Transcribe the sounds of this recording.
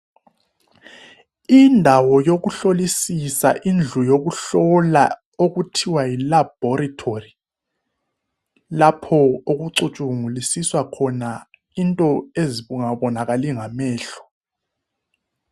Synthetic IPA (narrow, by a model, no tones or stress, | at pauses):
indʱawɔjoɣuɬolisisaʔind͡ɮʱujoɣuɬɔla | oɣutʰiwajilab̥ɔɾatʰori | lapʰɔoɣuǀut͡ʃʼuŋulisiswakʰɔna | intʼɔeziβuŋaβɔnaɣaliŋamɛːɬɔ̥